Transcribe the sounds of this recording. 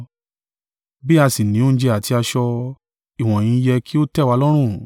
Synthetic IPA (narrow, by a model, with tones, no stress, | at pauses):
bi˦a˧si˨nĩ˨˦õ˦d͡ʒɛ˧a˨ti˧a˧ʃɔ˧ | i˨w̃ɔ̃˨j̃ĩ˧˦jɛ˧ki˦o˦tɛ˦˨wa˧lɔ˦ɾ̃ũ˦˨